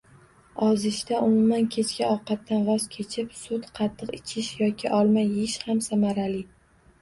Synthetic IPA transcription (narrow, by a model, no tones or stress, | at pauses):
ɒzɪʃt̪aʔʊmʊmankʲʰe̞t͡ʃʰkʲaɒqɑt̪ːanvɒzkʲʰe̞t͡ʃʰɪpsʊt̪qʰɑt̪ʰːɨqɪt͡ʃʰɪʃjɒkʲʰɪʔɒlˠmajʃhamsamaɾalɪ